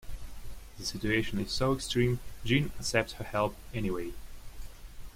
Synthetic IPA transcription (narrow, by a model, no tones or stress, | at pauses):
ðɨsɪt͡ʃueɪʃə̃nɨz̥soʊɛkstɹ̥ĩmd͡ʒĩnəksɛp̚thə˞hɛlˠpɛniweɪ